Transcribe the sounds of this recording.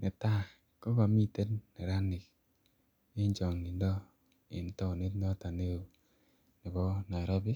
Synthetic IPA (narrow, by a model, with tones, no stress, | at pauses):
nɛ˨ta˦ | kɔ˦ba˨mi˦te˦tnɛ˨ɾa˦nɪ˨k | e˦ɲt͡ʃɔ˨ŋni˨ndɔ˦ | ɪ̰˨n˦tɔ˦˨ne˦tn˦ɔ˦ta˨ne˦o˨ | nɛ˨bɔ˦na˨ɾɔ˦bi˦